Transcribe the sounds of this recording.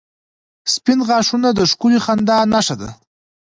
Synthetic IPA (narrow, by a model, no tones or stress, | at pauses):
spɪnʁɑːʂunad̪əʂkulixand̪ɑnaʂad̪a̰